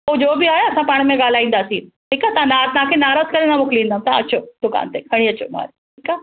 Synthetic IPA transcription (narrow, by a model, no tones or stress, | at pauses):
od͡ʒoːbʱiːaːeɐsãpaːɳ̃mẽɡaːlaːĩːnd̪asiːnʈʰiːkat̪ãnaːt̪nãːkʰẽnaːɾaːzkəɾẽnamʊklĩːnd̪amt̪a̰ɐ̰ʃʰoːd̪̥ʊka̰ːnt̪ekʰəɽ̃ĩət͡ʃʰo̰ːma̰ːɾʈʰiːkaː